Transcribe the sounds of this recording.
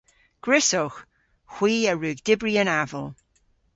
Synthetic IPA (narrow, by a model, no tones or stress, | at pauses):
ɡ̥ɹɪsɔx | xw̥iːəɹʉːɡdɪbɹiənavəlˠ